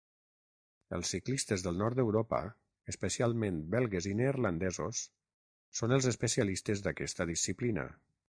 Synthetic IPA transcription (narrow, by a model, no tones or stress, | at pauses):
ə̰lˠsːiklist̪əzðəlˠnɔɾt̪d̪əwɾɔpə̰ | əspəsialˠmenbɛlˠɣezineːɾland̪ɛzosː | onəlˠzəspəsialist̪ezðakɛst̪əðisiplinə̰